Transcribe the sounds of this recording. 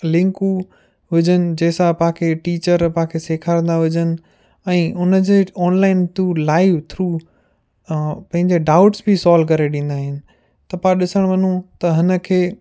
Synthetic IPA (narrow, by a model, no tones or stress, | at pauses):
lɪ̃ŋku | ʋɪd͡ʑʱənɪ̆d͡ʑeːsãpɐ̃ɦãkʰeʈiːt͡ɕəɾpɐ̃ɦãkʰeseːkʰaːɾə̃nd̪aʋɪd͡ʑənɪ̆ | ɛ̃ːʊnəd͡ʑeːɔːnlaːɪnt̪uːlaːɪʋt̪ʰɾuː | pɐ̃ɦɪ̃ɲd͡ʑeɖaʊʈsbʱisɔːlk̬ɐɾeɗĩːnd̪aːɦɪnɪ̆ | t̪ɐpãɗɪsəɽ̃ʋɐnũt̪ɐɦɪnə̆kʰeː